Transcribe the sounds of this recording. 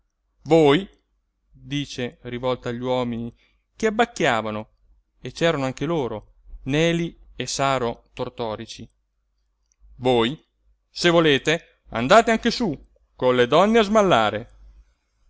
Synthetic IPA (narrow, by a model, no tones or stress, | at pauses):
voːj | d̪iːt͡ʃerivɔlt̪aːʎːwɔːmini | k̟eabːakːjaːvano | et͡ʃːɛːɾanoaŋkeloːɾo | nɛːliesaːɾot̪ort̪ɔːɾit͡ʃi | voːj | sevoleːt̪e | a̰nd̪aːt̪eaŋk̟esu | konled̪ɔnːeazmalːaːɾe